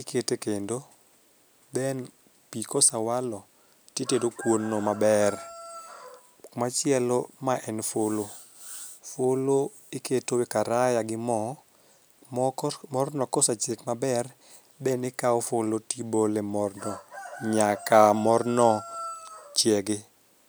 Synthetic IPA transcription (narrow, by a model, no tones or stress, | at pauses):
ɪkʰetekendo | dɛn | pikosawalɔ | tjetedokwonːɔmabɛr | mat͡ʃɪɛlomaʔɛnfolo | folo | ɪketowekaɾajaɡɪmɔ | mɔrnɔkɔsat͡ʃekmabɛr | dɛnɪkaɔfolotibolemɔrnɔɲakamɔrnɔ | t͡ʃjɛɡɪ